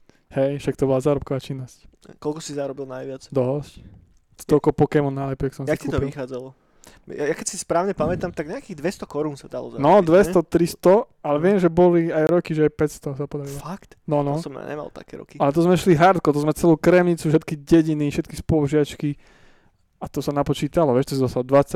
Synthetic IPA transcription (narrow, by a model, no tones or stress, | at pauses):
hɛjʃak̚t̪ɔbɔlazaːɾɔp̚kɔʋaːt͡ʃinːɔsckɔlkɔsizaɾɔbilnajʋɪat͡sd̪ɔɦɔsc | t̪ɔkɔpɔkɛmɔnalɛpɛksɔ̃msaiskɛut̪ɔʋixaːd͡zalɔ | jajakɛcsispɾaːʊɲɛpamɛt̪amt̪aɡɲɛakiːɣd̪ʋɛst̪ɔkɔɾunsad̪alɔ̰zanɔd̪ʋɛst̪ɔt̪ɾist̪ɔ | alɛʋɪɛmʒɛbɔliajɾɔkiʒɛajpɛtst̪ɔsapɔd̪aɾilɔfakt̪nɔnɔsɔma̰ɲɛ̰ma̰lˠt̪a̰kɛɾɔ̰kialɛt̪̬ɔzmɛʃliɦaɾt̪̚kɔt̪ɔzmɛt͡sɛluːkɾɛmɲit͡suʃɛt̪kiɟɛɟiniʃɛt̪kispɔʒɪat͡ʃki | at̪ɔsanapɔt͡ʃiːt̪alɔʋɛʃt̪ɔs̬izɔst̪ald̪ʋat͡sːa